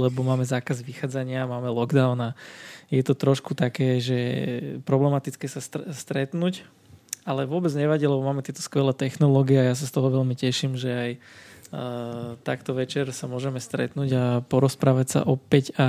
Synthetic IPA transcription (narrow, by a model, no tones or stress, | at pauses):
lɛbɔmaːmɛzaːkazʋixaːd͡zaɲɪamaːmɛlɔɡd̪aʊnajɛt̪ɔt̪ɾɔʃkut̪akɛːʒɛpɾɔblɛmat̪it͡skɛːsasst̪ɾɛt̪nuc | alɛʋʊɔbɛd͡zɲɛʋaɟiːlɛbɔmaːmɛt̪ɪɛt̪ɔ̥skʋɛlɛːt̪ɛxnɔlɔːɡiɛajas̬ast̪ɔɦɔʋɛʎmicɛʃimʒɛaj | t̪akt̪ɔʋɛt͡ʃɛɾsamʊɔʒɛmɛst̪ɾɛ̰t̪nuːɟapɔɾɔspɾaːʋacsa̰ʔɔpɛca